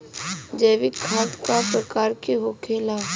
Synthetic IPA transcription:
d͡ʒəʋɪkʰːaːd̪kapɾəkaːɾkeɦokʰeːlaː

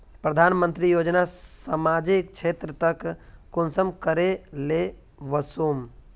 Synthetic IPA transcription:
pɾəd̪ʱanmənt̪ɾijod͡ʒnasamad͡ʒikt͡ʃʰet̪ɾət̪əkkonsəmkəɾele | ʋəsom

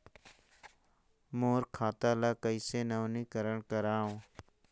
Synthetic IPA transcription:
moːɾkʰaːt̪aːlaːkəisenəʋnikəɾəɳkəɾaːõː

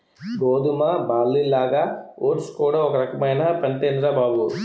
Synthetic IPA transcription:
ɡoːd̪umɐbaːlːilːaːɡɐoːʈskuːɽaɔkɐɾɐkɐmɐjnɐpɐɳʈeːnd̪ɾabaːbu

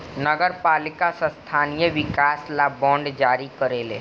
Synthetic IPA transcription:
nəɡəɾpaːlɪkasast̪ʰaːnijəʋɪkaːslabɔ̃ːɳɖd͡ʒaːɾikəɾeːleː

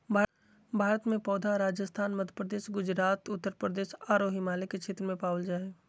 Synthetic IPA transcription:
bʱaː | bʱaːɾət̪mẽpɔːd̪ʱaɾaːd͡ʒəst̪ʰaːnməd̪ʱjəpɾəd̪eːʃɡʊd͡ʒɾaːt̪ʊt̪ːəɾpɾəd̪eːʃaːɾoɦɪmaːleket͡ʃʰeːt̪ɾəmẽpaːld͡ʒaːeː

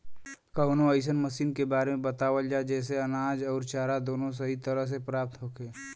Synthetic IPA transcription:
kəʊnoəɪs̬ənməsiːnkebaːɾemẽbɐt̪aːʋəld͡ʒaːed͡ʒɛːs̬eɐnaːd͡ʒɔːɾt͡ʃaːɾad̪oːnõs̬ɐɦit̪əɾəɦs̬epɾaːp̚t̪ɦoːkeː

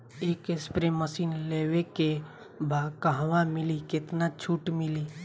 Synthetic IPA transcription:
eːkespɾeməsiːnleːweke | bʱaːɡ̚kəɦʋãmɪlikɪt̪nat͡ʃʰuːʈmɪli

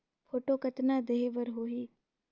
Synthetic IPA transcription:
fʰoːʈoːkət̪naːd̪ɐɦeʋəɾɦoːɦiː

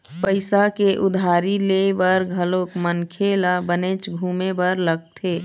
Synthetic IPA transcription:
pəɪsakeʔʊd̪ʱaːɾilebəɾɡʱəloːkmənkʰelabəneːt͡ʃɡʱuːmebəɾləɡ̚t̪ʰeː

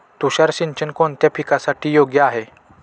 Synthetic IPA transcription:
t̪uɕaɾɕiɲt͡ɕənkoɳt̪japʰikasaʈʰiːjoɡjəaɦe

